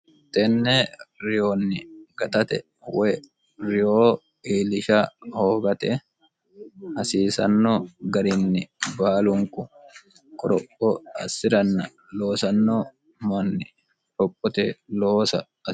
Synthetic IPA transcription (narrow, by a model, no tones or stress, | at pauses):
t̪ɛnːeɾɪjoːnːɪɡ̥ɐt̪ɐt̪ɛ | wɛ | ɾɪjoː | iːlɪʃaːho̞ːɡɐt̪e | hɐsiːsɐ̰nːoːɡɐɾɪnːɪbaːlʊŋkʊ | kʼɔɾɔpːɔɐsːɪɾɐnːɐ̰ | lo̞ːsɐnːoː | mɐnːɪ | ɾɔpʼːɔt̪ɛloːsɐ̰ | ɐ